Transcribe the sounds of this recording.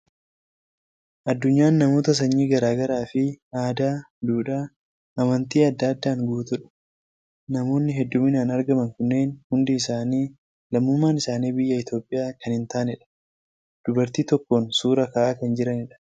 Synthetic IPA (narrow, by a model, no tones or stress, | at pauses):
ʔɐd̪ːʊɲːaːnːɐmo̞ːt̪ɐs̬ɐɲːiːɡɐɾaːɡɐɾaːfɪaːd̪aː | d̪uːᶑaː | ʔɐmɐnt̪iːɐd̪ːaːd̪ːaːŋɡuːt̪ʊᶑɐ̥ | nɐmo̞ːnːɪɦɛd̪ːʊmɪnaːnɐɾɡɐmɐŋkʊnːe̞ːnhʊnd̪ɪːsaːniː | lɐmːʊmːaːnɪsaːniːbɪjːɐɪt̪jo̞ːpʼːɪjaːkɐnɪnt̪aːnɪᶑɐ̥ | d̪̥ʊbɐɾt̪iːt̪ɔkːoːnsuːɾɐkaːʔaːkɐnd͡ʒɪɾɐnɪᶑɐ̥